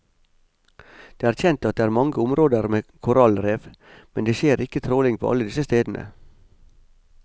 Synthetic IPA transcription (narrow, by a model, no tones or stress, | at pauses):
d̪̥eːæːɾçɛnt̪ɑt̪̚d̪eːæːɾmɑŋɡəʊmɾoːd̪əɾmeːkʰʊɾɑlɾeːʋmɛnd̪eːʃeːɾʔɪkət̪ʰɾoːlɪŋpʰo̰ːɑ̰ləd̪ɪsəst̪eːd̪n̩ʔə̰